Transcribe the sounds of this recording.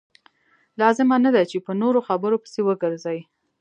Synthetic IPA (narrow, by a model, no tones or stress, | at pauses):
lɑzɪmanad̪at͡ʃepənoɾoxabəɾopə̥sewəɡəɾzawi